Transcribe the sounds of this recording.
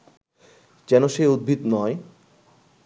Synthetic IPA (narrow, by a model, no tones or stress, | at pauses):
d͡ʑɛnoʃeud̪̚bʱit̪nɔe